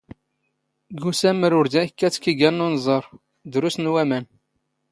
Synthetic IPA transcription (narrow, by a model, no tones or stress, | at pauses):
ɡusæmːəɾʊɾd̪ækːæt͡sːkiɡænːunzˤəɾˤ | d̪ɾʊst̪nwæmæn